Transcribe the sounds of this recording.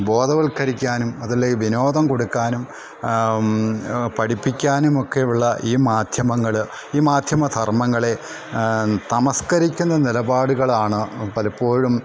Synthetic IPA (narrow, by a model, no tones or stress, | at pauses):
bo̞ːd̪ɐʋɐlkɐɾikʲːaːnumɐðɐleʋino̞ːd̪ɐmko̞ɽukːaːnum | pɐɽipːikʲːaːnumo̞kːe̞uɭːɐʔiːmaːd̪ʱjɐmɐŋːɐɭ | iːmaːd̪ʱjɐmɐd̪ʱɐrmɐŋːɐɭe̞ | t̪ɐmɐskɐɾikʲːunːɐnilɐbaːɽuɣɐɭaːɳɨpɐlɐpːo̞ːɻum